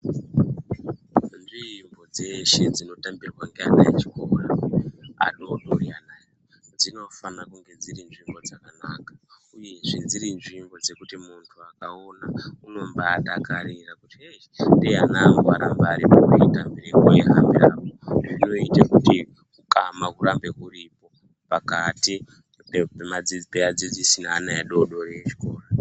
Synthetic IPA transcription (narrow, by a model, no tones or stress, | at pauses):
nʐimbo̞d͡zeʃe̞d͡zino̞tambirwaŋɡeanajet͡ʃi̥kora | a̰ɗoɗorianaːj | d͡zino̞fanakuŋɡe̞d͡ziɾinʐimbo̞d͡zakanakḁuje̞ʐid͡ziɾinʐimbo̞d͡ze̞kutimuntʰuakaonauno̞mbaːɗakaɾirakutie | ndejanamboaɾambaɾipokuitambiɾikojeɦa̰mbiɾapoʐino̞itakuti | kukamakuɾambe̞kuripo̞ | pakati | pepemad͡zipead͡zid͡zisinaːnaeɗo̞ɗo̞ɾeet͡ʃi̥koːra